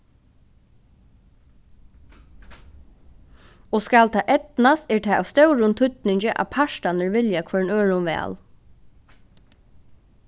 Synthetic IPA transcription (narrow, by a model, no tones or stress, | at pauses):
ɔskalt̪ʰaːʔɛt̪nast̪ɛɹt̪ʰɛːʔawst̪œwɾʊnt̪ʰʏt̪nɪɲt͡ʃɪʔa̰pʰaʃtanəɹʋɪljakʰʋɛɹnøːɹʊnʋɛ̰ːl